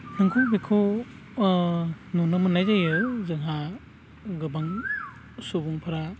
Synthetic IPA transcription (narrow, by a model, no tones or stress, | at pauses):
nɯŋkʰubikʰu | nunɯmɯnajzajɯzɯŋɦa | ɡɯbaŋ | subuŋpʰaɾa